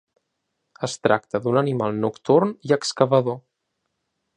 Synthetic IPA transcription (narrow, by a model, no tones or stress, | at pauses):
əst̪ɾa̰k̚t̪əd̪unənimalˠnukt̪urniəkskəβəðo